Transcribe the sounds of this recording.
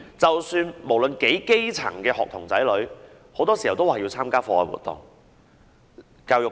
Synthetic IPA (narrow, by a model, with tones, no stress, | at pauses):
t͡sɐ˨wsyː˧nmo˨˩wlɵ˨˧nke˨˥jke˥jt͡sʰɐ̰˨˩ŋkɛː˧hɔ̰ː˨k̚t̪ʰʊ˨˩ŋt͡sɐ˨˥jlɵ˨˥ɥ | ho˨˥wt̪ɔː˥si˨˩hwt̪o˥waː˨˩ji˧wt͡sʰaː˥mkaː˥fɔː˧wɔ̰ː˨˩wṵː˨˩t̪ːʊ̰˨ŋ | kaː˧wjʊ˨